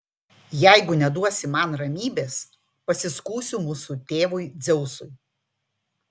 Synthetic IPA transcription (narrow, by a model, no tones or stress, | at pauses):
jɛˑɪɡʊnʲɛd̪uɔsʲɪmɐnɾɐmʲiːbʲeːs | pɐsʲɪskuːsʲʊmuːsut̪ʲeːʋʊɪd̪zʲɛʊsʊɪ